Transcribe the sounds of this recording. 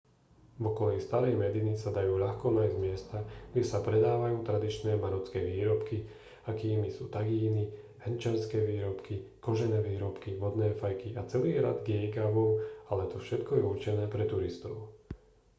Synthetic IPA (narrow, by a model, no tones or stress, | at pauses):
vɔkɔlɛjst̪aɾɛjmɛd̪inisad̪ajuːʎaxkɔnajzdmɪɛst̪aɡɟɛsapɾɛd̪aːʋajuːt̪ɾad̪it͡ʃnɛːmaɾɔt͡skɛːʋiːɾɔpki | akiːmisuːt̪aɡiːni | hɛnt͡ʃɛnskɛːʋiːɾɔpkikɔʒɛnɛːʋiːɾɔpkiʋɔd̪nɛːfajkiat͡sɛliːɾa̰d̪ɡjɛjkaʋɔmalɛt̪ɔfʃɛt̪kɔjɛuɾt͡ʃɛnɛːpɾɛt̪uɾist̪ɔʊ